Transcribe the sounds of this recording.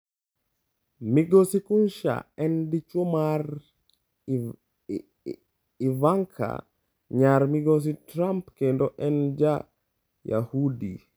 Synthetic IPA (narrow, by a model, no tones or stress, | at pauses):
miɡosikunʃa̰ɛndit͡ʃomar | ivaŋkʰa̰ | ɲaɾmiɡos̬itɾampkendoʔɛnd͡ʒa | ja̰hudḭ